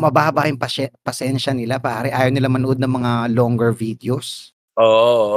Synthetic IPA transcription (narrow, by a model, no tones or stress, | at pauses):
mɐbaːbɐjʊŋpɐɛpɐsɛnʃɐnɪlapɐʔaːɾɛʔaːjɐwnɪlamɐnoʔod̪nɐŋmɐŋaloŋɡɛɹvid̪ɪos | ʔoːʔ